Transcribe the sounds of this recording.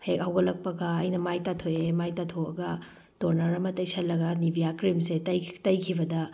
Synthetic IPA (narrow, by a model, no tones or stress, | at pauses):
hek̚ɐwɡɐlɐk̚pɐɡɐɐjnɐmajtatʰojemajtatʰoɐ̰ɡɐ | toɾnɐɾɐmɐtɐjsʰɐlːɐɡɐnibijakɾimsetɐjtɐjkʰibɐdɐ